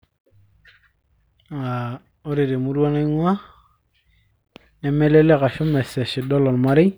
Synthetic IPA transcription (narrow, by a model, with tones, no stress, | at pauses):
a˨ | o˦ɾi˨ɾe˨mu˦ɾo˦na˦ŋwa˦ | ne˨me˦le˦le˦ka˨ʃu˦mɛ˨se˨ʃi˨dɔ˦lo˨nma˦ɾi˦